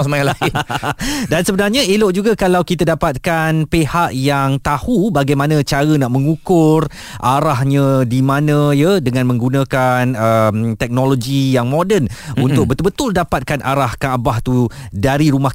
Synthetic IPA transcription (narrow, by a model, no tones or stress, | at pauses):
smaalaɡi | dansəbənarɲãeloʔd͡ʒuɡakalawkit̪adapat̪̚kanpehaʔjaŋt̪ahubaɡajmãnə̃t͡ʃaɾənaʔmə̃ŋukʊr | ʔaɾahɲə̃dimãnə̃jədəŋãnmə̃ŋɡunə̃kanəmt̪ɛk̚noloɡijaŋmodənunt̪ʊk̚bət̪ʊlbət̪ʊldapat̪̚kanʔa̰ɾahkaabaht̪u | daɾiɾumah